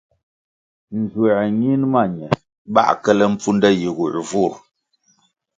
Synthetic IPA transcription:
n̩˨zwŋi˦nma˦˨ɲɛ˨ | ɓa̰˦ʔkə˦lə˦m̩˦p͡fu˦n˦də˦ji˨ɣu˨ʔvu˦˨ɾ

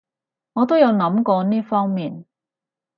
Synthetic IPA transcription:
ŋɔː˨˧t̪o˥wjɐ˨˧wnɐ˨˥mkɔː˧niː˥fɔː˥ŋmiː˨n

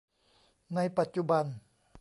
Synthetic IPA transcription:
na˧˥jpa˨˩t̪̚t͡ɕu˧ba˧n

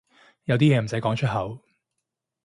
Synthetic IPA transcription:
jɐ˨˧wt̪iː˥jɛː˨˧m̩˨˩sɐ˨˥jkɔː˨˥ŋt͡ʃʰɵ˥t̚ɦɐ˨˧˥w

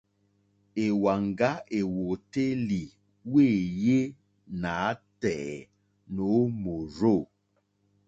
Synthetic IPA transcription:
e˨wa˨ŋɡa˦e˨wo˨te˦li˨ | we˦˨je˦ | na˨˦tɛː˨ | no˨˦mo˨ɾo˦˨

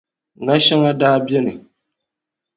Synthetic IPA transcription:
ŋa˦ʃa˦ŋa˦daː˦bɛ˦nɨ˨

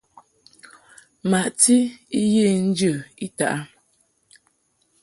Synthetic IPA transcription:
ma˨ʔti˦i˦je˦˨n̩˦d͡ʒə˦˨i˦ta̰˨ʔa˦

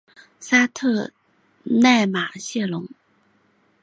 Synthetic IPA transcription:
sa˥t̪ʰɤ˥˧ | na˥˩ɪma˨˩ɕjɛ˥˩lʊ˧˥ŋ

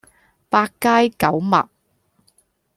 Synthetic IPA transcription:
paː˧kkaː˥jkɐ˨˥wmɐ̰˨p̚

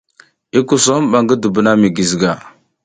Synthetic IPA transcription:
i˦ku˨so˦m˦˨ɓa˨ŋɡə˦də˨bə˨na˦mi˨ɡi˨zɡa˨

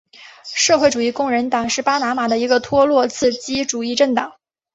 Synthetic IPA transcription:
ʂɤ˥˧xwe˥˩ɪʈ͡ʂu˨˩i˥˧kʊ˥˩ŋɻə˧˥nt̪ɑ˨˩ŋʂɻ̩˥˩pa˥na˧˥ma˨˩d̪ə˦i˧˥ɡə˧t̪ʰwɔ˥lwɔ˥˧t͡sʰɹ̩˥˩t͡ɕi˥ʈ͡ʂu˨˩i˥˧ʈ͡ʂə˥˩ŋt̪ɑ˨˩˦ŋ

